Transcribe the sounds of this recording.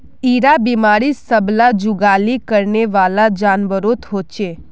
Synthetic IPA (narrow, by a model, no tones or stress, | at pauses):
iɾabimaɽisəblad͡ʒuɡalikəɾneʋalad͡ʒanʋəɾot̪ɦot͡ʃe